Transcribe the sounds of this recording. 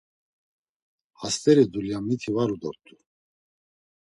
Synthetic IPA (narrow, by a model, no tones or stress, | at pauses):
hast̪ʼɛɾid̪uljamnit̪ʰivaɾud̪ɔɾt̪ʼu